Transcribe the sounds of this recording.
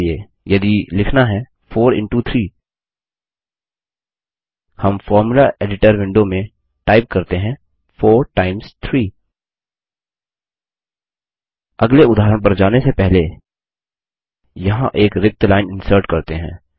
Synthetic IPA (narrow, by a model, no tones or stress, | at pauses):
e | jɐd̪ilɪkʰnaɦɛ | fʰoːɾɪ̰̃ɳʈut̪ʰɾiː | hɐmfɔːɾmulaɾeːɖɪʈəɾʋɪ̃ɳɖomẽ | ʈaːɪp̚kɐɾt̪eɦɛ̃ | fʰoːɾʈaːɪmst̪ʰɾiː | ɐɡleʊd̪ʱaːɦɾəɽ̃p̬ɐɾd͡ʒaːnesepɛɦle | jɐɦãʔeːkɾɪk̚t̪laːɪnɪ̃nsəɾʈkɐɾt̪eɦɛ̰̃ː